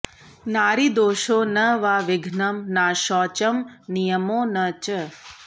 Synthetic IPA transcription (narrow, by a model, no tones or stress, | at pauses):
naːɾid̪oːʃoːnəʋaʋɪɡʱnɐmnaʃɔːt͡ʃəmnijəmoːnət͡ʃə